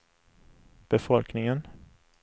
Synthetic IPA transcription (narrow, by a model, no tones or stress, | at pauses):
b̥ɛfɔlknɪŋən